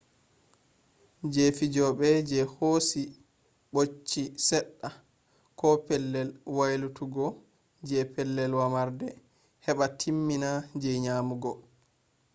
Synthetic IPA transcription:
d͡ʒefid͡ʒɔɓɛd͡ʒɛhosi | ɓot͡ʃːisɛɗːa | kɔpɛlːɛlwajlutuɡɔ | d͡ʒɛpɛlːɛlwamaɾdɛ | hɛɓatʰimːinad͡ʒɛɲaːmuɡɔ

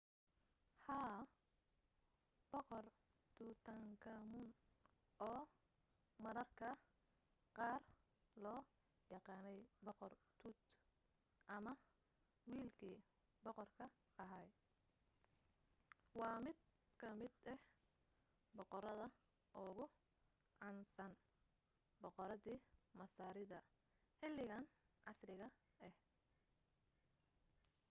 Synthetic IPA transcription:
ħaː | b̥ɔqɔr | t̪ʰut̪ʰɐŋkʰɐmʊn | ʔɔː | mɐɾɐrkʰɐ | qɑːr | lɔː | jɑqɑːnɛjbɔqɔrt̪ʰuːt̪ | ʔɐmɐ | wiːlkʰiː | bɔqɔrkʰɐ | ɐɦaj | wɑːmɪd̪̚ | kʰɐmɪd̪ɛh | bɔqɔɾɐðɐ | ʔʊɣʊ | ʕɑnsɐn | bɔqɔɾɐðiːmɐsaːɾɪðɐ | ħɪlɪɣɐnʕɑsrɪɣɐ | ɛh

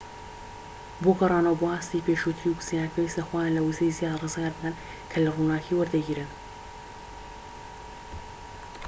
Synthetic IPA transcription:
bokɐrˤɑːnɐwboaːst̪ipeʃut̪ʰɾiuksinakɐwist̪ɐxwajaːnlɐwuzejzjaːd̪rɨzɡaɾd̪ɨd̪ɐn | kʰɐlɐrunaːkiːwɐɾd̪ɐɡiːɾɨn

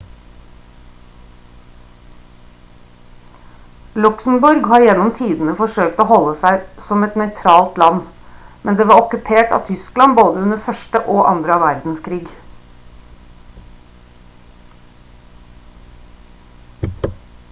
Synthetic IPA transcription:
lʉksm̩bʊɾɡhɑːɾjɛnɔmt̪ʰiːd̪n̩əfɔʃøːkt̪oːhɔlːəsæɪsɔmɛt̪nœʏt̪ʰɾɑːlt̪lɑn | mɛnd̪eːʋɑːɾɔkʉpʰeːʈɑ̰ːt̪ʰʏsklɑnboːd̪əʉnəfœʃʈəʔoːʔɑ̰nd̪ɾəɑʋæɾd̪n̩skʰɾiːɡ

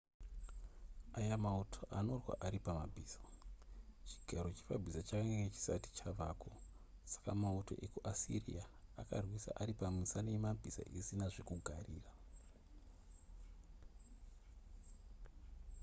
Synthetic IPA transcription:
ajamautʰo̞ʔano̞rwa̰ʔaɾipamabʱiːsḁ | t͡ʃi̥ɡʱaɾot͡ʃe̥pabʱisat͡ʃakaŋɡeŋɡet͡ʃi̥sati̥t͡ʃaʋaːko | sḁkamautʰo̞̰ʔekuʔasḭrḭaaka̰rwisa̰ʔaɾipamisanejemambʱisa̰ʔisinaʐekuɡʱariːra

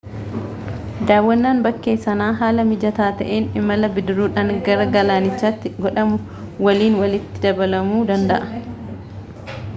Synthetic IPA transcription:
d̪aːwːɐnːaːnbɐkːe̞ːsːɐnaːɦaːlɐmɪd͡ʒɐt̪aːt̪ɐ̰ʔeːnɪmɐlɐbɪd̪ɪɾuːᶑaŋɡɐɾɐɡɐlaːnɪt͡ʃːaːt̪ːɪɡɔᶑɐmʊ | wɐliːnwɐlɪt̪ːɪ̥d̪ɐbɐlɐmuːd̪ɐnd̪ɐ̰ʔɐ̥

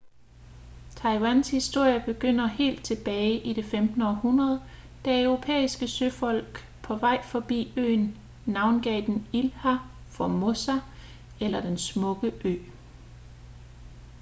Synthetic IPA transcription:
t͡sʰɑ̈ɪwænshisd̥o̝ɐ̰jɐb̥e̝ɡ̥øn̰ɐhe̝̰ːld̥̚t͡sʰe̝b̥ɛːɪʔid̥e̝femd̥n̩əɒhunʁɐð̞ˠ | d̥æœʊʁo̝pʰḛːisɡ̥əsøfɒ̽l̰ɡ̥ | pʰɒ̽ʋɑ̈ɪ̰fɒ̽b̥ḭːø̰ːn | nɑ̈ʊnɡ̥ɛ̰ːd̥enilhæ | fɒmo̝sæ | elɐd̥ensmɔ̽ɡ̥əʔø̰ː

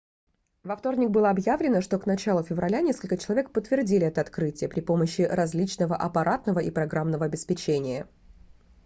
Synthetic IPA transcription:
vɐft̪o̞rnʲɪk̚bɨlˠəɐbjavlʲɪnəʂt̪o̞knɐt͡ɕalˠʊfʲɪvɾɐlʲanʲe̞skəlʲkət͡ɕɪlˠɐvʲe̞k̚pət̪ːvʲɪrdʲilʲɪɛt̪əɐt̪kɾɨtʲɪjəpɾʲɪpo̞məɕːɪɾɐzʲlʲit͡ɕnəvəʔɐpɐɾʔat̪nəvəʔipɾɐɡɾamnəvəɐbʲɪspʲɪt͡ɕenʲɪjə

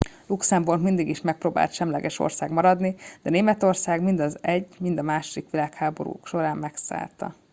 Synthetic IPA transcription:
luksɛmburkmind̪iɡiʃmɛk̚pɾoːba̰ːlt̪ʃɛmlɛɡɛʃo̰rsaːɡmɒɾɒd̪nid̪̥ɛneːmɛt̪o̞rsaːɡmind̪ɒzɛɟːmind̪ɒmaːʃod̪ikʋilaːkhaːbo̞̰ɾṵːkʃo̞ɾaːmmɛksa̰ːlt̪ɒ̰

